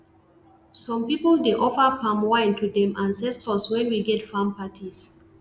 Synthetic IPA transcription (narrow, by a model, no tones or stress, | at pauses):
sɔ̃mpipəldeʔɔfəpãmwãɪ̃ntʰudɛ̃mʔãnsɛstʰɔswɛ̃nwiɡɛtfãmpatʰis